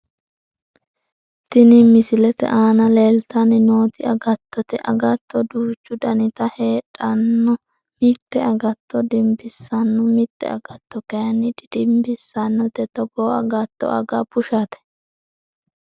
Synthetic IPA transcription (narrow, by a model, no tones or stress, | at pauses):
t̪ɪnimɪsɪlɛt̪ɛ̰ʔaːnɐleːlt̪ɐnɪno̞ːt̪ɪɐɡɐt̪ːɔt̪ɛʔɐɡɐt̪ːɔd̪uːt͡ʃːʊd̪ɐnɪt̪ɐhe̞ːᶑʼɐnːɔ | mɪt̪ːɛɐɡɐt̪ːɔd̪ɪmbɪsːɐnːʊmɪt̪ːɛ̰ɐ̰ɡ̥ɐt̪ːɔkɐjɐnːɪd̪ɪd̪ɪmbɪsːɐnːɔt̪ɛt̪ɔɡɔːɐɡɐt̪ːɔ̰ɐɡɐpʊʃaːt̪ɛ̥